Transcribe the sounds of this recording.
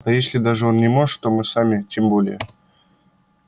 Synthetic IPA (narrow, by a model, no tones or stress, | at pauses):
ɐjesʲlʲɪd̪aʐɨo̞nnʲɪmo̞ʐɨ̥t̪ːo̞mɨsamʲɪtʲembo̞lʲɪ̰jə̰